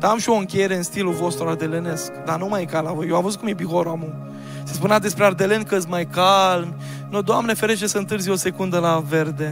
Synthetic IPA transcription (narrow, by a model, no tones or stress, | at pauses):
d̪aamʃio̞ɨŋkʲejeɾe̞ɨnst̪ilulvo̞st̪ɾuard̪e̞lene̞skd̪anumajkalavojewavəzut̚kumjebixoɾoamu | sespunad̪e̞spɾeard̪e̞lenkəzmajkalmʲ | nod̪oamnefeɾet͡ʃesəɨnt̪ɨɾzʲjo̞se̞kund̪əlave̞rd̪e̞